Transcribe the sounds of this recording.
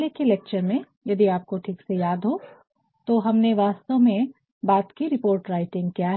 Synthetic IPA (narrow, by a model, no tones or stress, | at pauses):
lekeleːk̚t͡ʃəɾmẽ | jɐd̪iaːp̚koʈʰiːksejaːd̪ɦo | t̪oɦɐmneʋaːst̪omẽ | baːt̪kiɾɪpoːɾʈɾaːɪʈɪ̃ŋɡkijaɦ